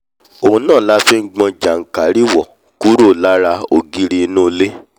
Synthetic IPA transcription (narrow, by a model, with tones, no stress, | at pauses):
o˨ũ˧nãː˦˨la˦fi˦ŋ̩˦ɡ͡bɔ̃˧d͡ʒa˨ŋ̩˨ka˨ɾi˦wɔ˨ | ku˦ɾo˦˨la˦ɾa˧o˨ɡi˦ɾi˧˦nũ˦˧le˦